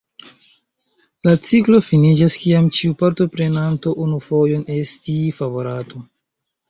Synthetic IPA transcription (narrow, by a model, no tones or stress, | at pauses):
lat͡siklo̞finid͡ʒaskiamt͡ʃiupaɾto̞pɾe̞nanto̞ʔunufo̞jo̞ne̞stifavo̞ɾato